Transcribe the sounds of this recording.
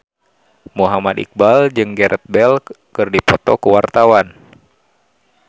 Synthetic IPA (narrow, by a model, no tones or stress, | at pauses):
muɦamad̪ḭk̚bald͡ʒɨŋɡɛɾʔət̪̚bɛlkɨrdipɔt̪ɔkəwart̪awan